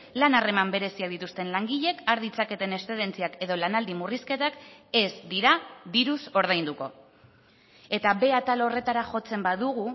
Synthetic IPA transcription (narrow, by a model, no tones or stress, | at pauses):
lanare̞mambe̞ɾe̞siaðit̪ust̪e̞nlaŋɡiʎe̞kaɾðit͡sake̞t̪e̞ne̞st̪e̞ðe̞nt͡siake̞ðo̞lanald̪imuriske̞t̪ake̞zd̪iɾadiɾuso̞ɾð̞ajnd̪uko̞ | e̞t̪aβe̞at̪alore̞t̪aɾaʝo̞t͡se̞mbaðuɣu